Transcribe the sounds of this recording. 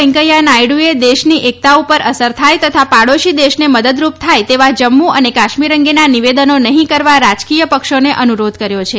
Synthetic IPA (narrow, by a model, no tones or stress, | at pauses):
ɛ̃ŋkəjanajɽued̪eʃniʔek̚t̪aupəɾʔəsəɾt̪ʰajt̪ət̪ʰapaɽoʃid̪eʃneməd̪əd̪ɾupt̪ʰajt̪eʋad͡ʒəmːuənekaʃmiɾəŋɡenaniʋed̪ənonəɦĩkəɾʋaɾad͡ʒkijəpəkʃoneʔənuɾod̪kəɾjot͡ʃʰe